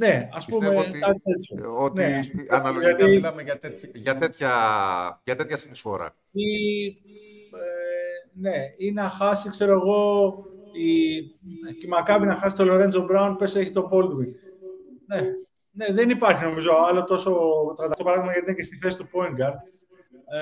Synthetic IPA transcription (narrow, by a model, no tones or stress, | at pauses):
ne̞ɐsppummeɐeooneɐsuʝɐt̪imʝɐt̪et̪çɐ | ʝɐt̪et̪çɐsinisfo̞̰ɾɐ̰ | i | ene̞inɐxɐsikse̞ɾo̞eɣo̞ | i | cimɐkɐvinɐxɐsi̥t̪o̞lo̞ɾenzobɾɐunpese̞çit̪o̞bo̞ld̪wiŋ | ne̞ | ne̞ðe̞nipɐɾçino̞mizo̞ɐlo̞t̪oso̞t̪ɾɐt̪ɐkt̪o̞pɐɾɐðimɐʝɐt̪inece̞st̪iθe̞si̥t̪upo̞iŋɡɐɾd̪̚